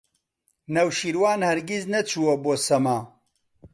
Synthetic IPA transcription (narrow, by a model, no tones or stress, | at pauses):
nɐwʃiɾwaːnhɐɾɡiznɐt͡ʃʰuwɐboːsɐmaː